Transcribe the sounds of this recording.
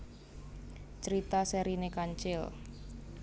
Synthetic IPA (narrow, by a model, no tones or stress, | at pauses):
t͡ʃəɾit̪asɛɾinekaɲt͡ʃɪl